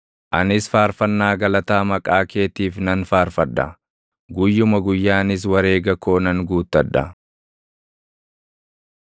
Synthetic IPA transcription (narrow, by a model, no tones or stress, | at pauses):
ʔɐnɪsfaːɾfɐnːaːɡɐlɐt̪aːmɐkʼaːke̞ːt̪iːfnɐnfaːɾfɐᶑːɐ̰ | ɡʊjːʊmɐɡʊjːaːnɪs̬wɐɾe̞ːɡɐko̞ːnɐŋɡuːt̪ːɐᶑːɐ̰